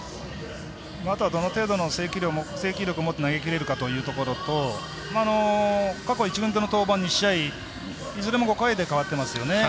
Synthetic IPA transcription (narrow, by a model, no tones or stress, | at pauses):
mat̪o̞βad̪o̞no̞t̪e̞ːd̪o̞no̞se̞ːkʲiɾʲomose̞ːkʲiɾʲjo̞kɯ̟omo̞t̪ːe̞naɡe̞kʲiɾe̞ɾɯ̟kat̪o̞jɯ̟ːt̪o̞ko̞ɾo̞t̪o̞ | maːno̞kako̞it͡ɕiɡɯ̃nt̪enot̪o̞ːbãɲ̟ːiɕːai | isoɾe̞mo̞ɡo̞kaid̪e̞kaβat̪ːe̞masɨjo̞ne̞